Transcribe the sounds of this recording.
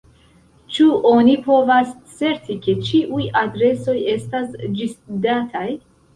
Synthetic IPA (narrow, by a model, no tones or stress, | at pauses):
t͡ʃuʔo̞nipo̞vast͡sːe̞ɾtike̞t͡ʃiʔujadɾe̞so̞je̞stasd͡ʒisdatʰaj